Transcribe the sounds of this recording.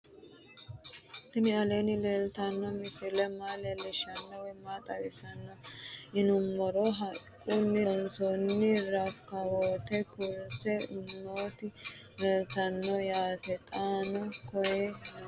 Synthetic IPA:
t̪ɪnɪɐleːnɪleːlt̪ɐnːɔmɪsɪlɛmaːlɛlɪʃɐnːɔwɛmːaːt̪ʼɐwɪsɐnːɔɪnʊmːɔɾɔɦɐkʼːunːɪɔnsɔnːɪɾɐkːɐwooːt̪ɛkʊlsɛnoːt̪ɪ | leːlt̪ɐnːɔjaːt̪ɛt̪ʼaːnɔkɔjɛ

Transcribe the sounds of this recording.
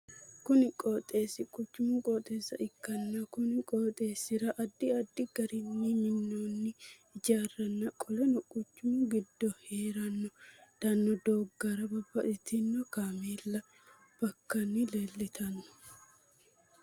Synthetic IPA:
kʊnɪkʼoːt̪ʼːe̞ːsɪkʼʊt͡ʃːʊmʊkʼoːt̪ʼːe̞ːsːɐ̰ʔɪkːɐnːɐkʊnɪkʼoːt̪ʼe̞ːsɪɾɐʔɐd̪ːɪɐd̪ːɪɡ̥ɐɾɪnːimɪnːoːnːɪ | ɪd͡ʒaːrɐnːɐkʼɔlɔnɔkʼʊt͡ʃːʊmʊɡɪd̪ːɔhe̞ːɾɐnːɔd̪̥ɐnːɔd̪oːɡːɐɾɐbɐbːɐʔɪt̪ɪnːɔkaːmeːlːɐ | b̥ɐkːɐnːɪleːlːɪt̪ʰɐnːɔ̥

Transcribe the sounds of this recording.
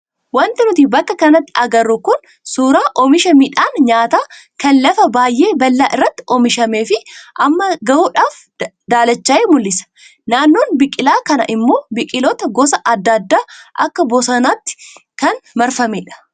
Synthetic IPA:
wɐnt̪ɪnʊt̪ibɐkːɐkɐnɐt̪ːɪɐɡɐrːʊkʊn | suːɾaːʔɔmɪʃɐmiᶑaːnɲaːt̪aː | kɐnlɐfɐbaːjʔe̞ːbɐlːaːʔɪrːɐt̪ːɪ̥ɔmɪʃɐmeːfɪʔɐmːɐɡɐuːᶑaːf | d̪aːlɐt͡ʃːɐeːmʊlːɪsɐ̥ | naːnːoːnbɪkʼɪlaːkɐnɐ̰ʔɪmːo̞ːbɪkʼɪlot̪ɐɡɔsɐʔɐd̪ːɐd̪ːaːʔɐkːɐbɔsɐnaːt̪ːɪ̥kɐnmɐɾfɐmeᶑɐ̥

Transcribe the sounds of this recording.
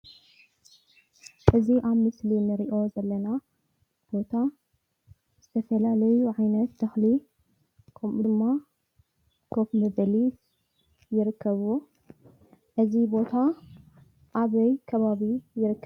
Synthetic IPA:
ʔɨziʔaβmɨslinɨɾiʔo̞zɐlːɐna | b̥o̞t̪ʰa | z̥ɨt̪ʰɐfɐlalɐjuʕajnɐt̪d̪ɐxli | kʰɐmʔud̪ɨmːa | kʰofmɐβɐlis | jɪɾɨkʰːɐβu | ʔɨzibo̞t̪ʰa | ʔaβɐjkʰɐβaβijɪɾɨkː

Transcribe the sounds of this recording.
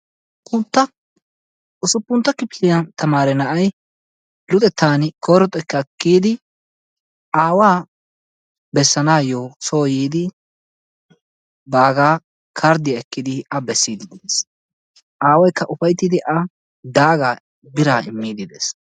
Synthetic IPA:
pːʊnt̪ːɐ | ʊsʊpːʊnt̪ːɐkːɪpɪlɪjɐnt̪ɐmaːɾɛnɐʔɐj | lʊt̪ʼɛt̪ːaːnɪkʰoːɾɔt̪ʼɛkːɐkːiːd̪ɪ | aːwaː | bɛsːɐnaːjoːsoːjiːd̪ɪ | baːɡaː | kʰɐɾd̪ɪjɐɛkːɪd̪ɪɐbɛsːiːd̪ɪd̪ɪes | ʔaːwɐjkːɐʔʊfɐjt̪ːɪd̪ɪʔɐ | d̪aːɡaː | bɪɾaːɪ̰mːiːd̪ɪd̪ḛːs

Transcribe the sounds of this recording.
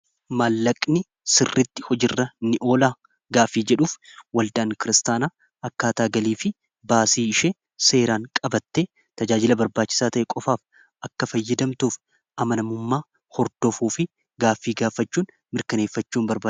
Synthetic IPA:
maːlːɐkʼnɪ | sɪrːɪt̪ːɪhɔd͡ʒɪrːɐnːɪʔo̞ːlaː | ɡaːfːiːd͡ʒɛᶑuːfwɐld̪aʔːŋkɪɾɪst̪aːnaː | ʔɐkːaːt̪aːɡɐliːfɪ | baːsiːɪʃe | se̞ːɾaːŋkʼɐbɐt̪ːeː | t̪ɐd͡ʒaːd͡ʒɪlɐbɐɾbaːt͡ʃːɪsaːt̪ɐʔɛkʼɔfaːf | ʔɐkːɐfɐjːɐd̪ɐmt̪uːf | ʔɐmɐnɐmʊmːaː | hɔɾd̪ɔfuːfɪ | ɡaːfːiːɡaːfɐt͡ʃːuːn | mɪɾkɐneːfːɐt͡ʃːuːmbɐɾbaː

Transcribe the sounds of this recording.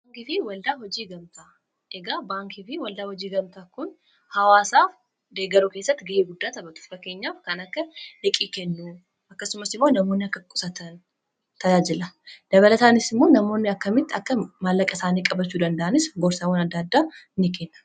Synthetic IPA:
bːŋkɪfɪwɐld̪aːhɔd͡ʒiːɡɐmt̪a | ʔɛɡaːbaːŋkɪfɪwɐld̪aːhɔd͡ʒiːɡɐmt̪aːkʊn | hɐwaːsaːf | d̪e̞ːɡɐɾuke̞ːsːɐt̪ːɪɡɐʔeːɡʊd̪ːaːt̪ɐbɐt̪ʊ̥fɾɐke̞ːɲːaːfkɐnɐkːɐlɛkʼiːkɛnːu | ɐkːɐsʊmːɐsɪmːo̞ːnɐmoːnːɪɐkːɐkʼʊ̥sɐt̪ɐn | t̪ɐjaːd͡ʒɪlɐd̪̥ɐβɐlɐt̪aːnɪsɪmːo̞ːnɐmo̞ːnːɪɐkːɐmɪt̪ːɐkːɐmalːɐkʼɐsaːnikʼːɐbɐt͡ʃːuːd̪ɐnd̪ɐʔɐnɪsɡɔɾsɐwoːnɐd̪ːaːd̪ːaːɪnːɪkeːnːɐ̥

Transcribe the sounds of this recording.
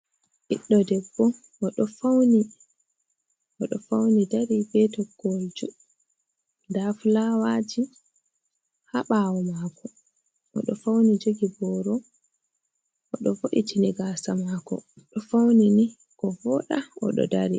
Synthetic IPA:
ʔiɗːɔdɛbːɔ | ʔɔɗɔfawni | ɔɗɔfawnidaɾibɛtɔɡold͡ʒu | ndafulawaːd͡ʒi | haɓaːwɔmakʰɔ | ɔ̰ɗɔfawnid͡ʒoɡibɔɾɔ | ʔɔɗɔvoɗitʰiniɡasamakɔ̰ | ɗɔfawnini | kɔvɔɗaɔ̰ɗɔ̰daɾi

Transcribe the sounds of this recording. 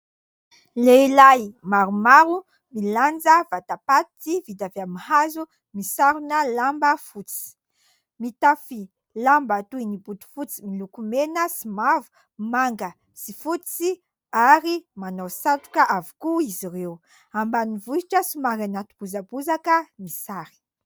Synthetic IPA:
leilajmaɾumaɾu | miland͡zəvat̪apat̪t͡sivid̪aveamihazu | misaɾunəlambəfut͡si̥ | mit̪afi | lambat̪uinibud̪u̥fut͡similukumenəsimavu̥ | maŋɡə | sifut͡si | aɾimanowsat̪u̥kaʔavu̥kuiziɾew | ambanivuiʈ͡ʂəsumaɾanat̪u̥b̥uzabuzakəmisaɾi̥

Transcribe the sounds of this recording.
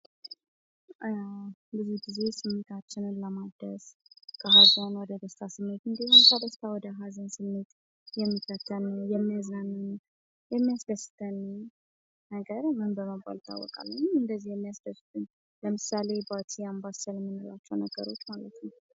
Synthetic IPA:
bɨzihɡize̞sɨmːet̪ʰat͡ʃːɪnɨnləmad̪əskʰəɦazanwɔd̪əd̪əst̪ʰasɨmːet̪ɨnd̪əzimkʰəd̪əst̪ʰawɔd̪əɦazənsɨmːet̪ | jɛmːikət̪ʰːənjɛmːijazanɨn | jɛmːijasd̪əsɨ̥t̪ʰən | nəɡəɾmɨnbəməba̰lt̪ʰa̰wːɔ̰kʼa̰lːəɲɨnd̪əzːihjɛmːijasd̪əsɨ̥t̪ʰɨn | ləmɨsale̞bat͡ʃ̪ʰiambasəlmːɨnola̰t͡ʃːɛwnəɡə̰ɾo̞t͡ʃːmalət̪nəw

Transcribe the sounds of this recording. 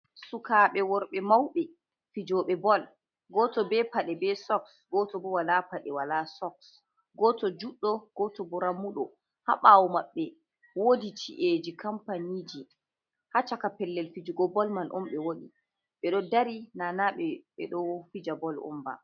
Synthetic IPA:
sukaɓɛwɔɾɓɛmawɓɛ | fid͡ʒɔɓɛbɔl | ɡɔtɔbɛpaɗɛbɛsɔksɡɔtɔbɔwalapaɗɛwalasɔks | ɡɔtɔd͡ʒuɗːɔɡ̥ɔtɔbɔɾamuɗɔ | ha̰ɓawɔmaɓːɛ | woditʰḭʔed͡ʒikampanid͡ʒi | hat͡ʃakapɛlːɛlfid͡ʒiɡɔbɔlmanʔɔ̰mɓɛwoɗḭ | ɓɛɗɔdaɾinanaɓɛɓɛ̰ɗɔfid͡ʒabɔlɔ̰mba̰

